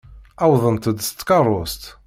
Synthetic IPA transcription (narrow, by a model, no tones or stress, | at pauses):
awðˤənt̪əd̪st̪ːkɑrˤʊst̪